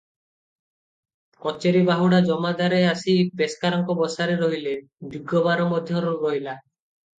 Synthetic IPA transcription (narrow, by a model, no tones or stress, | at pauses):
kɔt͡ʃeɾibaɦuɽad͡ʒɔmad̪aɾeasipeskaɾɔŋkɔbɔsaɾeɾɔɦile | d̪uɡɔbaɾɔmɔd̪ʱjɔɾɔɾɔɦila